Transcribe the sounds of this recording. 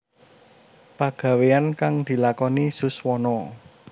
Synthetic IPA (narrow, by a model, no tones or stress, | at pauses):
paɡ̥ä̤weankaŋd̪̥i̤lakɔnisʊswɔnɔ